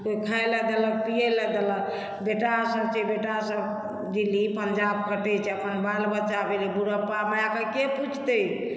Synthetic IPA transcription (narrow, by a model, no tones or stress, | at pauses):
koikʰaelɛd̪elək̚pijelɛd̪elə | beʈasəbt͡ʃʰɛbeʈasəb | d͡ʒilipəɲd͡ʒab̚kəʈɛt͡ʃʰɛəpənbalbət̪d͡ʒabelibuɾəpamajakakeput͡ʃʰt̪əj